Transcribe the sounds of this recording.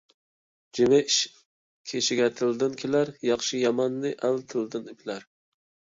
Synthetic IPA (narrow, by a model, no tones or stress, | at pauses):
d͡ʒɪmɛiʃ | kʲʰeʃɪɡʲɛt̪ʰɨld̪ɨnkʲʰelæɾjɑχʃijɑmɑnːɨʔælt̪ʰɨld̪ɨnypʰlæɾ